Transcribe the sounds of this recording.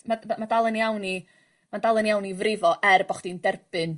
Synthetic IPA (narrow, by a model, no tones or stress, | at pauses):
maamadalˠənjawni | madalˠənjawnivrɪvɔʔɛrbɔχd̥indɛrb̥ɨn